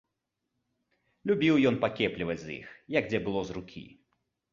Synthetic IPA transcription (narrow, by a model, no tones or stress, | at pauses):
lʲubʲiwjɔnpakʲɛplʲivɐd͡zʲzḭxjɐɡd͡zʲɛbɨlˠɔzrukʲʰḭ